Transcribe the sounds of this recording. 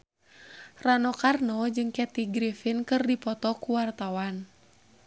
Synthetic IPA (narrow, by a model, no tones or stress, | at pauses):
ranɔkarnɔd͡ʒɨŋkɛt̪iɡɾifinkɨrdipɔt̪ɔkuwart̪awan